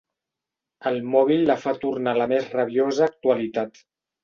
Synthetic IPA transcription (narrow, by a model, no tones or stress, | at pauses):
əlˠmɔβilːəfat̪urnaləmezrəβiozəːk̚t̪uəlit̪at̪